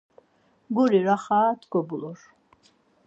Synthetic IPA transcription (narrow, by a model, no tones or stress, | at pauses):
ɡɔɾiɾaχaːt̪ʰɡɔbulɔɾ